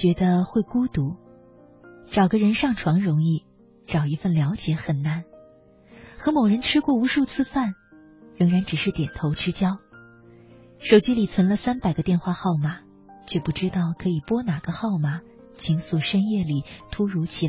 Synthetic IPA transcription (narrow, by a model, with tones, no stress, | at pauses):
t͡ɕɥɛ˧˥d̪ə˧xwe˥˩ɪku˥t̪u˧˥ | ʈ͡ʂɑ˨˩ʊɡə˧˦ɻə˧˥nʂɑ˥˩ŋʈ͡ʂʰwɑ˧˥ŋɻʊ˧˥ŋi˥˩ | ʈ͡ʂɑ˨˩ʊi˧˥fə˥˩nljɑ˧˥ʊt͡ɕjɛ˧˥xə˨˩nna˥˩n | xɤ˧˥mo˨˩ʊɻə˧˥nʈ͡ʂʰɻ̩˥kwɔ˥˩u˧˥ʂu˥˧t͡sʰɹ̩˥˧fa˥˩n | ɻɤ˧˥ŋɻa˧˥nʈ͡ʂɻ̩˨˩ʂɻ̩˥˩t̪jɛ˨˩nt̪ʰo˧˥ʊʈ͡ʂɻ̩˥t͡ɕjɑ˥ʊ | ʂo˨˩ʊt͡ɕi˥li˨˩t͡sʰwə˧˥nlə˧sa˥npa˨˩ɪɡə˧˦t̪jɛ˥˧nxwa˥˧xɑ˥˩ʊma˨˩ | t͡ɕʰɥɛ˥˧pu˥˩ʈ͡ʂɻ̩˥t̪ɑ˥˩ʊkʰɤ˧˥i˨˩pwɔ˥na˨˩ɡ̥ə˧˦xɑ˥˩ʊma˨˩ | t͡ɕʰi˧˥ŋsu˥˩ʂə˥njɛ˥˩li˨˩t̪ʰu˥ɻu˧˥t͡ɕʰi˧˥˩